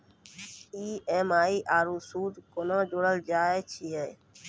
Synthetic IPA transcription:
iːeːmaːiːʔaːɾuːsuːd͡ʒ̪koːnõːd͡ʒoːɽəld͡ʒaːeːt͡ʃʰiːeː

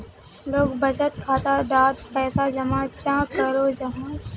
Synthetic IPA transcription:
loːɡbɐd͡ʒət̪kʰaːt̪ad̪aːd̪pɛːsad͡ʒɐmat͡ʃãːkɐɾod͡ʒɐɦãː

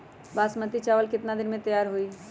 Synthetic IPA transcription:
baːsmət̪it͡ʃaːʋəlkɪt̪nad̪ɪnmẽt̪əjaːɾɦui

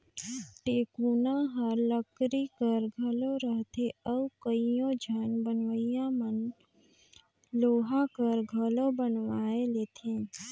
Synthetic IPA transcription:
ʈeːkunaɦəɾləkɾikəɾɡʱəloɾəɦt̪ʰeəukəijõd͡ʒʱənbənʋəijãmən | loːɦakəɾɡʱəlobənʋaːeleːt̪ʰẽ

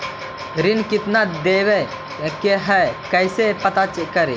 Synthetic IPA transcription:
ɾinkit̪nad̪ɛwɛ | kɛɦɛkɐjsɛpɐt̪at͡ʃit̪̚kəɾḭ

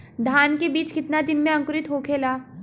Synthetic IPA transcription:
d̪ʱaːnkebiːt͡ʃkɪt̪nad̪ɪnmẽɐ̃ŋkɾɪt̪ɦokʰeːlaː

